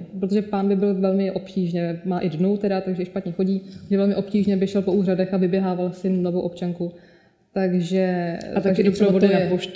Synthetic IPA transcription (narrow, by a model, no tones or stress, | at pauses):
pɾot̪oʒɛpaːnbɪbɪlvɛlmɪʔo̞pciːʒnɛmaːʔɪdnowt̪ɛdat̪aɡʒɛɪʃpat̪ɲɛxo̞ɟiːʒɛvɛlmɪʔo̞pciːʒɲɛbɪʃɛlpo̞uːradɛxavɪbjɛɦaːvalsɪlovowʔo̞pt͡ʃaŋku | t̪aɡʒɛt̪aɡʒdosɛbod̪uaɛpoʃ